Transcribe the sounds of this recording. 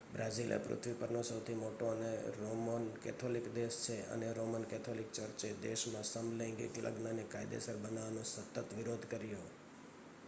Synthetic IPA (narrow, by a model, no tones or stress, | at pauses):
bɾad͡ʒilʔḛpɾʊ̰t̪ʰʋipəɾnosəwt̪ʰimoʈoəneɾomənkɛ̰t̪ʰolikd̪eʃt͡ʃʰeə̰neɾomənkɛt̪ʰolikt͡ʃəɾt͡ʃed̪eʃmãsəmlẽŋɡḭklʔə̰ɡnənekajd̪ḛsəɾbənaʋnõsət̪ət̪ʋiɾod̪ʱkəɾjo